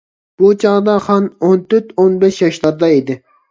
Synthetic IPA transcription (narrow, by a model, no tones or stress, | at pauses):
b̥ut͡ʃʰɑʁd̪ɑχɑnont̪ʰøɾt̪onbɪʃjɑʃlˠɑɾd̪ɑid̪ɪ